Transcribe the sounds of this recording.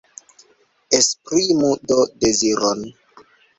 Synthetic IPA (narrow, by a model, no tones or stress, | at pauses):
espɾimudodeziɾon